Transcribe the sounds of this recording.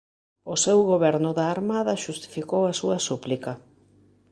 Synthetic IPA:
ʊsewɣoβɛɾnʊðaːɾmaðɐʃust̪i̥fikowɐsuɐsuplikɐ

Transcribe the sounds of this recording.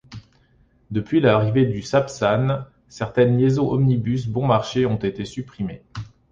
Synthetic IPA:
d̪əpɥilaʁived̪ysapsan | sɛʁt̪ɛnljezɔ̃ʔɔmnibys̬bɔ̃maʁʃeɔ̃t̪et̪esypχime

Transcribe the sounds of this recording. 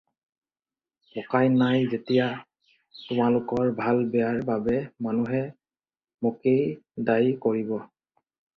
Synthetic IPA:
pɔkajnajzetija | tʊmalʊkɔɹbʱalbɛaɹbabɛmanuɦɛ | mokejdajkoɹibɔ

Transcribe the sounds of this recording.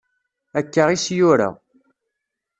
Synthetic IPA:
ækːəʁisjʊɾa̰

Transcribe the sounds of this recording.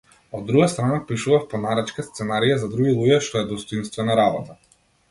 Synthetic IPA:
ɔd̪ːɾuɡast̪ɾanapiʃuvafpɔnaɾɛt͡ʃkast̪sɛnaɾijazad̪ɾuɡilˠuɟɛʃt̪ɔɛd̪ɔst̪ɔinst̪vɛnaɾabɔt̪a

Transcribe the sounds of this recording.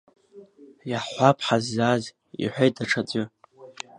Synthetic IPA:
jaħħʷapʰħazːaz | ḭħʷᶣejtʰaʈ͡ʂʰat͡sʼʊ

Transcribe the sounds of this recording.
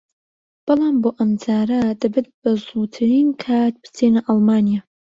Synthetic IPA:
b̥ɨlamboʔamd͡zaːɾadabɨd̚b̥azutʰɨrinkʰaːt̚ʰbzenɨʔalmaːnija

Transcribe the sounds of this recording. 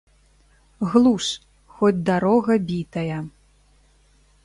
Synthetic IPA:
ɣlˠuʂ | xɔd͡zʲd̪aɾɔɣɐbʲit̪ɐjɐ

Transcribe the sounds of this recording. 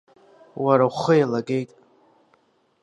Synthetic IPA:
waɾawχəjalaɡe̞jtʼ

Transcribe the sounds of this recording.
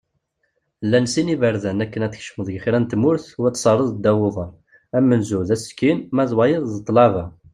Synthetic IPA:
lːænsinivəɾðənækːənæθçʃməðˤʝxɾænt̪mʊɾθwæt̪ːsˤɑrˤəðˤd̪æwʊðˤɑ | æmːənzuðæskːinmæðwɑjəðˤðət̪ˤːlɑvæ

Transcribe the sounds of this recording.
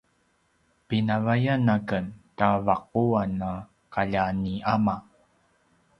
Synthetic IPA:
pinavajanakəntavaq̚uanːa | kaʎaniama

